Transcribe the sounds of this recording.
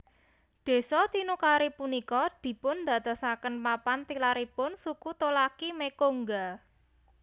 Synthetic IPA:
ɖ̪̥e̤sɔt̪inukaɾipunikɔd̪̥i̤pʊnd̪a̤t̪əsakənpapant̪ilaɾipʊnsukut̪olakimekoŋɡa

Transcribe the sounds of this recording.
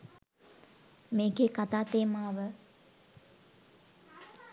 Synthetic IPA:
meːkeːkat̪aːt̪eːmaːʋə

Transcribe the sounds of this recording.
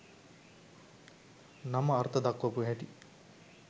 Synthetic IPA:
nɐmɐːɾt̪ʰɐd̪ɐkːɐpuɦɛʈi

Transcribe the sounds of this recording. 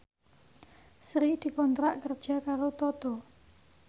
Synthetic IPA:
sɾid̪̥i̤kɔnt̪ɾaʔkərd̥ʒ̥a̤kaɾot̪ɔt̪ɔ

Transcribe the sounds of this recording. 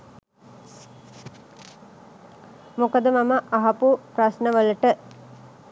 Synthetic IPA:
mukəd̪əmaməʔaɦɐpupɾasnəʋələʈə

